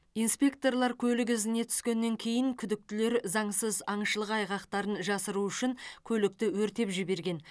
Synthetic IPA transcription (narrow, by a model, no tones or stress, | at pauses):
ijnspʲe̞k̚t̪o̞rlˠɑɾkʲʰɵlɪɡʲɪzɪne̞t̪ʰʏ̥skʲe̞nːe̞ŋkʲʰe̞jɪŋkʲʰʏd̪ɪk̚t̪ɪle̞ɾzɑɴsəzɑɴʃəlˠəqɑjʁɑqt̪ɑɾənʒɑsəɾuʏʃɪŋkʲʰɵlɪk̚t̪ɪwɵɾt̪e̞pʒɪbe̞ɾɡʲe̞n